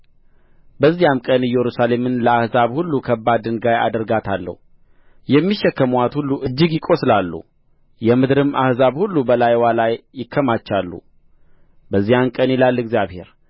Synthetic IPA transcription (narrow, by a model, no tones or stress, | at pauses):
bəzːijamkʼənɨjɛɾusale̞mɨnləahzaβhulːukʰəbːad̪ɨnɡaja̰d̪əɾɡat̪ʰalːə̰hu | jɛmːiʃːɛkːəmoat̪hulːuʔɨd͡ʒːɪɡjɪkʼo̞slalːṵ | jɛmɨd̪ɾɨmʔa̰hzaβhulːubəlajwalajːɪkʰːəmat͡ʃːalːṵ | bəzːijamkʼənilalːɨɡzijaβhe̞̰ɾ